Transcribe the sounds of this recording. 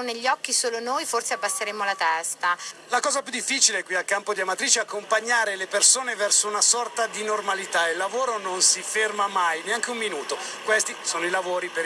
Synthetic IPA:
neʎːɔkːisoːlonoːjforseabːasːeɾeːmolat̪ɛst̪alakɔːzapjud̪ifːit͡ʃileɛkːwialkampod̪iamat̪ɾiːt͡ʃeakːompaɲːaːɾelepersoːnevɛrsounasɔrt̪ad̪inormalit̪aeilːavoːɾononsifermamajneaŋk̟eumːinuːt̪o | kwest̪isoːnoilavoːɾipe

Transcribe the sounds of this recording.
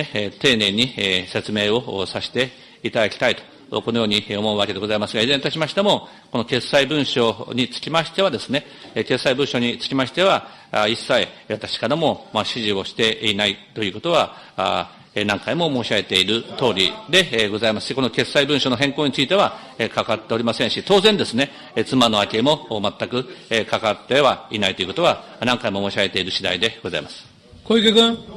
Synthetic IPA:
et̪e̞ːne̞ɲ̟ise̞t͡sɨme̞ːo̞saɕi̥t̪e̞ | it̪ad̪akʲi̥t̪ait̪o̥̰ | ko̞no̞jo̞ːɲ̟iomo̞ɯβakee̞ɡo̞zaimasɨɡaizent̪aɕimaɕi̥t̪emo̞ | kono̞ke̞saibɯ̟̃ɰ̃ɕo̞ɲ̟it͡sɨ̥kʲimaɕi̥t̪e̞βad̪e̞sɨne̞ | ke̞sːaibɯ̟̃ɰ̃ɕo̞ɲ̟it͡sɨ̥kʲimaɕi̥t̪e̞βa | isːaiβat̪ḁɕi̥kaɾamo̞maɕiʑio̞ɕi̥t̪e̞inait̪o̞jɯ̟ːko̞t̪o̞β̞a | nãŋkaimo̞mo̞ːɕiaɡe̞t̪e̞iɾɯ̟t̪o̞ːɾʲḭd̪e̞ɡo̞zaimasɨ̥ɕiko̞no̞ke̞sːaibɯ̟̃ɕo̞no̞ɦẽ̞ŋko̞ːɲ̟it͡sɨit̪e̞βa | ekakat̪ːe̞oɾʲimasẽɕit̪o̞ːzẽ̞nd̪e̞sɨne̞ | t͡sɨmano̞akʲemo̞mat̪ːakɯ̟kakat̪ːe̞βainait̪o̞iɯ̟ko̞t̪oa | nãŋkaimo̞moːɕaɡe̞t̪e̞iɾɯ̟ɕid̪a̰id̪e̞ɡ̥o̞za̰imasɨ̥ | koikʲekɯ̃

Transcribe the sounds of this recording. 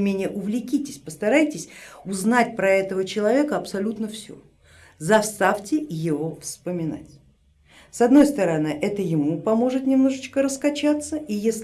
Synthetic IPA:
mʲenʲɪjəʔʊvlʲɪkʲitʲɪsʲpəst̪ɐɾajtʲɪsʲʊznatʲpɾɐɛt̪əvət͡ɕɪlˠɐvʲe̞kəɐpsɐlʲut̪nəfsʲo̰ | zɐfst̪aftʲɪjɪvofspəmʲɪna̰tʲ | sɐd̪no̞jst̪əɾɐnɨʔɛt̪əjɪmupɐmo̞ʐɨt̪nʲɪmno̞ʐɨt͡ɕkəɾəskɐt͡ɕat̪sːəijesʲ

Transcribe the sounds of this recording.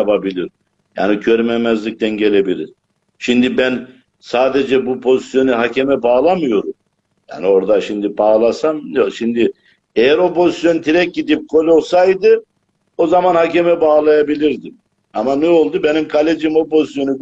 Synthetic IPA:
apʰabilʲiɾ | ja̰ːniɟʰøɾmemɛzlʲic̚t̪ʰænɟe̞lʲe̞bilʲiɾ | ʃimd̪ibæn | saːd̪e̞d͡ʒɛbupʰo̞zisjo̞nuɦacʰemɛbaːlˠamɯjo̞ɾum | ja̰ːnio̞ɾd̪aʃimd̪ibaːlˠasamʃimd̪i | ejæɾo̞pʰo̞zisjo̞nt̪ʰiɾɛc̚ɟid̪ip̚kʰo̞lʲo̞sajd̪ɯ | o̞zamanhacemɛbaːlˠajabilʲiɾd̪i | amanuolˠd̪ube̞nimkʰalʲed͡ʒimo̞pʰo̞zisjo̞nu

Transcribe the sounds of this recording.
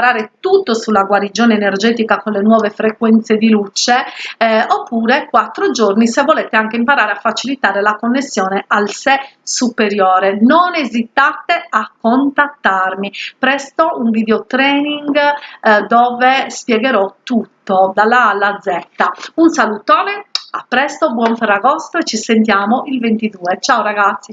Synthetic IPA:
ɾaːɾet̪ut̪ːosulaɡwaɾid͡ʒɔːneːnerd͡ʒeːt̪ikakonlenwɔːvefɾekwɛnt̪sed̪ilut͡ʃe | opːuːɾekwat̪ːɾod͡ʒornisevɔlɛt̪eaŋkeimpaɾaːɾeafat͡ʃilit̪aːɾelakonːesːjɔːnealsɛsupeɾjɔːɾenonezit̪at̪eakːont̪at̪ːarmipɾɛst̪ouɱvid̪eɔt̪ɾɛːniŋɡd̪ɔːvɛspjɛɣɛɾɔt̪ːut̪ːod̪alalad̪zːɛt̪ːaunsalut̪ɔːnɛapːɾɛst̪obwɔɱfɛrːaɣɔst̪ɾoet͡ʃːisent̪̬jaːmoʔilvent̪id̪uːɛt͡ʃaːoɾaɣat̪sːi

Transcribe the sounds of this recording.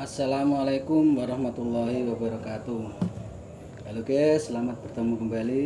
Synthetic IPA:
ʔasːalamalakumwaɾɑhmat̪ulːaɦiwabaɾɔkat̪u | kalokesəlamat̪̚b̥ərt̪əmukəmbali

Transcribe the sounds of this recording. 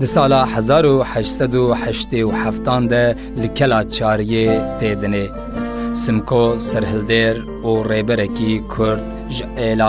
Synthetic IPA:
d̪ɨsɑːlɑːħɛzɑːɾuħɛʃt̪sɛd̪uħɛʃt̪eːuħæft̪ɑːnd̪ɛ | lɨkʰɛlɑːt͡ʃʰɑːɾijeːt̪eːd̪ɨne | sɨmkʰosɛɾɦɨld̪eːɾ | uːreːbɛɾɛkiːkʰʊɾd̪ | ʒɨʔeːlɑː

